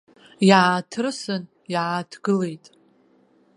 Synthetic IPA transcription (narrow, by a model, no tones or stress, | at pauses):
jatʰɨrsɨn | jaatʰɡɨle̞jtʼ